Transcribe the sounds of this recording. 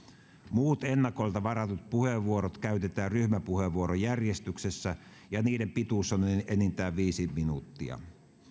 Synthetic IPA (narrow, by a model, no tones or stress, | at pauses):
muːt̪enːɑko̞jlt̪ɑʋɑrɑt̪ut̪̚puheʋːuoɾot̪kæyt̪et̪æːrryhmæpuheʋuoɾojærjest̪yksesːæ | jɑniːdempit̪uˑsːonʔenint̪æːʋʋiːsiminut̪ːiɑ̰